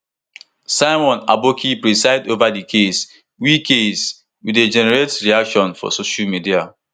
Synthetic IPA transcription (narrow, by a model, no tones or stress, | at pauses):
saɪmɔ̃na̰bokʰipɹisaɪdovadikʰes | wikʰes | wided͡ʒɛnɛɹetɹiakʃɔ̃nfɔ̰soʃalmidia